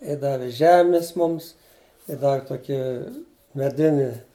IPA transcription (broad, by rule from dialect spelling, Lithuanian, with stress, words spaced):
ɪ ˈdɑːʋʲɪ ˈʒʲæːmʲɪs ˈmʊms ɪ ˈdɑːʋʲɪ ˈtoːkʲiː mʲɛˈdʲɪnʲɪ